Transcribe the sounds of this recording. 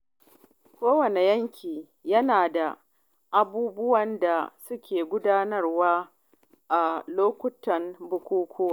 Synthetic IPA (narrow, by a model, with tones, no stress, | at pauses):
kʷoː˦wɐ˨ne˨jɐ˦ŋkʲʰiː˨ | jɐ˦naː˨da˨ | ʔa˨buː˦bʊ˦wɐ˨nda˨sʊ˦kʲeː˨ɡʷʊ˦daː˦nɐ˦rwaː˦ | ʔa˨loː˦kʷʊ˦tɐ˨nbʊ˨kʷuː˦kʷʰʊ˦waː˦˨